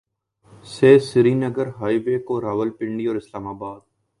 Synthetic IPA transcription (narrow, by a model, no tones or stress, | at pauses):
seːsɪɾiːnəɡəɾɦaːiːʋeːkoɾaːʋəlpɪ̃ɳɖiːɔːɾɪslaːmaːbaːd̪̚